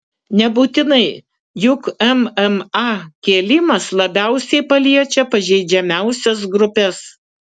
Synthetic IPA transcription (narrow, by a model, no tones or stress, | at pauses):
nʲɛbuːt̪ʲɪnɐɪ | jʊkɛmɛmɑkʲeːlʲɪmɐslˠɐbʲæˑʊsʲɛɪpɐlʲiɛt͡ʃʲɛpɐʒʲɛɪd͡ʒʲɛmʲæˑʊsʲɛs̬ɡɾʊpʲɛs